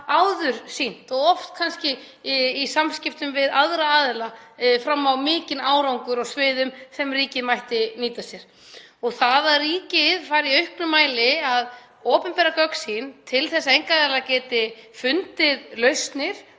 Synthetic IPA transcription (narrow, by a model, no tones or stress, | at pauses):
awðʏɾ̥sin̥t̪ɔɣɔft̪kʰanscɪ | isamscɪft̪ʏmvɪðaðɾaaːðɪlafɾamːawmɪːcɪnaːwɾawŋkʏɾɔɣsvɪːðʏmθɛmriːcɪmajht̪ɪniːt̪asjɛɾ̥ | ɔɣθaðariːcɪðfaːjɾiœɥhknʏmaːjlɪað | ɔːpʏmpɛːɾakœksint̪ʰɪlθɛsːaejŋkaðɛlacɛːt̪ɪfʏnt̪ɪðlœɥst̪nɪɾ̥